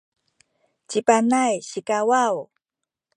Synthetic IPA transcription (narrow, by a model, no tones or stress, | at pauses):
t͡ɕipanajɕikawaw